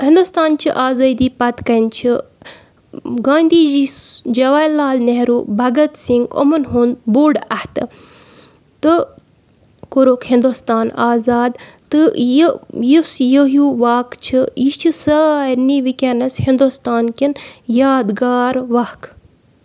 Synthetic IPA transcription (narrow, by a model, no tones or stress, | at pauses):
hĩnd̪ust̪aːnt͡ʃʰiʔaːzɐːd̪iːpɐt̪kɐnt͡ʃʰi | ɡaːnd̪iːd͡ʒid͡ʒɐʋaːjlaːlneɦɾuːbʱɐɡɐt̪siŋɡo̰mɐnɦund̪boːɖɐht̪ɨ | t̪ɨ | koɾoːkhind̪ust̪aːnaːzaːd̪t̪ɨjijisjəɦjuːʋaːkt͡ʃʰijit͡ʃʰisɐaːniʋikʲenɐshind̪ust̪aːnkinjaːd̪ɡaːɾʋɐhk